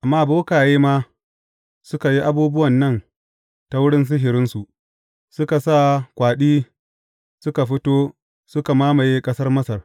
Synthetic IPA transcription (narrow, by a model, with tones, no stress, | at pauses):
ʔa˨mːaː˦˨boː˦kaː˨jeː˦maː˦ | sʊ˦ka˨ji˦ʔa˦buː˦bʊ˦wɐ˨nːɐ˦˨n | ta˨wʊ˦ɽɪ˦ns̬ɪ˦ɦɪ˨ɾɪ˦nsu˨ʔ | sʊ˦ka˨sa˦˨kʷaː˨ɗiː˦ | sʊ˦ka˨ɸɪ˦toː˦ | sʊ˦ka˨maː˦ma˨jeː˦kʼɐ˦sɐ˦rmɐ˦sɐ˨r